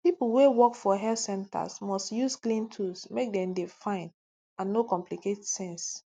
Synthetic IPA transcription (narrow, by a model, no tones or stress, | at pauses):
piplwewɔkfɔɦɛltsɛ̃nta̰smɔstjusklĩntʰusmek̚dɛ̃mdefãɪ̃n | ãnːokɔ̃mpliketsɛ̃ns